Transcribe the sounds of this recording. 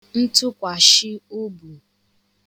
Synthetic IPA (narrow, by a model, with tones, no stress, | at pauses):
n̩˦tʊ˦kʷa˨ʃɪ˦o˦bu˨